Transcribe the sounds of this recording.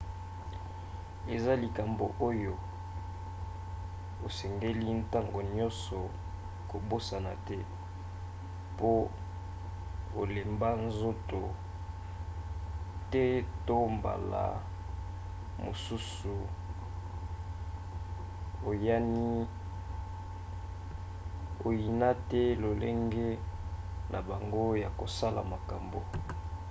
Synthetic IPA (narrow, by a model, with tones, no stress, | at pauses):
e˨za˦li˨ka˨mbo˨ʔo˦jo˨ | o˨sɛ˨ŋɡe˦li˦n̩˦ta˦ŋɡo˨ɲɔ˦nsɔ˨ | ko˨bo˦sa˨na˨tɛ˦ | po˦ | o˨le˨mba˦nzo˦to˨ | tɛ˦to˦mba̰˨la̰˨ | mo˨su˦su˨ | o˨ja˦ni˦ | o˨ji˨na˦tɛ˦lo˨le˦ŋɡe˦ | nʔa˨ba˨ŋɡo˦ja˨ko˨sa˦la̰˨ma˨ka˨mbo˨